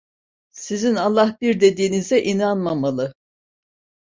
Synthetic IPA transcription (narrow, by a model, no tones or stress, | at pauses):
sizinalˠːahbiɾd̪e̞d̪iːnizɛʔinanmamalˠɯ